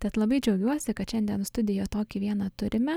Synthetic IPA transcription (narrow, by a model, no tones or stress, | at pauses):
t̪ʲɛt̪lˠɐbɐɪd͡ʒʲɛʊɡʲuɔsʲɪkɐt̪ʃʲɛnʲd̪ʲiɛnst̪ʊd̪ʲɪjoːt̪oːkʲiːʋʲiɛnɐt̪ʊɾʲɪmʲɛ